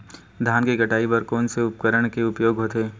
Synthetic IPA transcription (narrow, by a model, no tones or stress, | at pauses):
d̪ʱjaːnkekɐʈaːipɐɾkɔːnseʊpkəɾəɽ̃keʊpjoːɡɦoːt̪ʰeː